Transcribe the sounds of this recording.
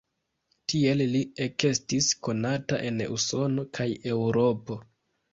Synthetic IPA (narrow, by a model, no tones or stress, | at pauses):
tie̞llie̞ke̞stisko̞nata̰ʔe̞nṵso̞no̞kʰaje̞wɾo̞po̞